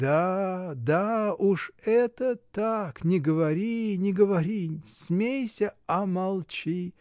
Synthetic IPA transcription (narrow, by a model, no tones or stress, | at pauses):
d̪ad̪auʂɛt̪ət̪aknʲɪɡəvɐɾʲinʲɪɡəvɐɾʲisʲmʲejsʲəɐmɐlˠt͡ɕi